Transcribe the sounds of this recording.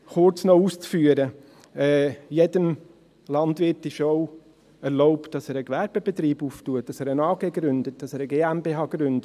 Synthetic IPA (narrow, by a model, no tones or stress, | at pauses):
χʊɾt͡snɔuːst͡sfyəɾə | ɛːjɛdəm | lɑndʋɪɾtɪʃoʊ | ɛɾlɔʊptd̥ɑsɛːɾəkvɛɾb̥eb̥etɾiːbuːftuət̚d̥ɑsɛːɾənɑːɡeːɡɾʏndət̚d̥ɑsɛːɾəɡeːæmbeɦɑːɡɾʏndə